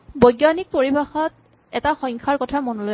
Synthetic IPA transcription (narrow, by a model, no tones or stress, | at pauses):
bojɡanik̚poɹibaxɔt̚ | ɛtaxɔŋkʰaɹkɔtʰamɔnɔloj